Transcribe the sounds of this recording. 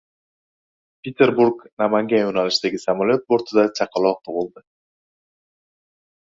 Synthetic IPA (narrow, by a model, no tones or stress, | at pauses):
pʲet̪e̞ɾbuɾɡnamaŋɡʲajonalɪʃd̪aɡʲɪsamalʲjot̪̚boɾt̪ʰɪd̪at͡ʃʰɑqʰɑlˠɒq̚t̪ʰoʁɨlˠd̪ɪ